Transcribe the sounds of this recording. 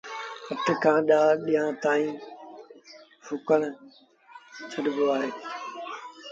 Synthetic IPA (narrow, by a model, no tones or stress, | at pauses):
ɐt̪ɪkʰãːɗaːɗijãt̪aːĩː | fʊkəɽ̃ | t͡ɕʰɐɗɪboaːɦeː